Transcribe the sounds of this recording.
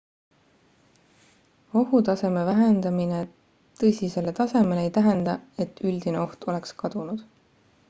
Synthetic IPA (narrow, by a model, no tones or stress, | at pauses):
o̞ɦut̪ɑse̞me̞væɦe̞nd̪ɑmine̞ | t̪ɤsʲise̞let̪ɑse̞me̞leejt̪æɦe̞nd̪ɑe̞t̪ːyld̪̥ineo̞ht̪o̞le̞kskɑd̪̥unud̪̥